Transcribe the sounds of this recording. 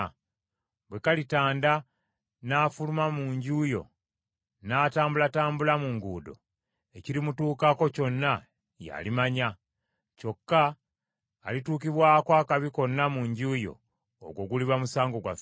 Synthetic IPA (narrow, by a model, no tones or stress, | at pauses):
bwe̞kalitaːnda | naːfulumamuːɲɟuːjo̞̰ | naːtaːmbulataːmbulamuŋɡuːdo̞̰ | e̞ciɾimutuːkako̞co̞nːa | ja̰limaɲa | co̞kːaː | lituːkiβwaːkoaːkaβiko̞nːamuɲɟuːjo̞̰ː | ɡwo̞ɡuliβamusaːŋɡo̞ɡwa̰f